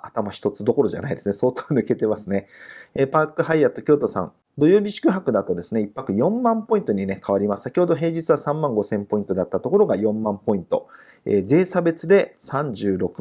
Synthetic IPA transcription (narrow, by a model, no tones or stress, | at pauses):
at̪amaçi̥t̪o̞t͡sɨd̪o̞ko̞ɾo̞ʑa̰naid̪e̞sɨne̞so̞ːt̪o̥ːnɯ̟ke̞t̪e̞masɨne̞eːpaːkɯ̟ɦaiat̪ːo̞kʲo̞ːt̪o̞sã̰n | d̪o̞joːbʲiɕi̥kɯ̟ɦakɯ̟d̪at̪o̞d̪e̞sɨne̞ipːakɯ̟jõ̞mːãmpo̞ĩnt̪o̞ɲ̟ine̞kʰaβaɾʲimassakʲiho̞d̪o̞ɦe̞ːd͡ʑit͡sɨβasãmːãŋɡo̞sẽ̞mpo̞ĩnt̪o̞d̪at̪ːat̪o̞ko̞ɾo̞ɡajõ̞mːãmpo̞ĩnt̪o̞̰ | ḛːze̞ːsabe̞t͡sɨd̪e̞sãɲ̟d͡ʑɨːɾo̞kɯ̟̥